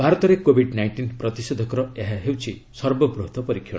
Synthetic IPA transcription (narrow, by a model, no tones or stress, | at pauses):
bʱaɾɔt̪ɔɾekobʱiɖnajnʈinpɾɔt̪ised̪ʱɔkɔɾɔeɦaɦewt͡ʃʰisɔɾbɔbɾuɦt̪ʰɔpɔɾikʰjɔ̰̃